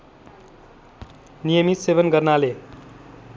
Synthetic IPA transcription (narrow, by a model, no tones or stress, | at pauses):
nijʌmit̪sebʌnɡʌrnale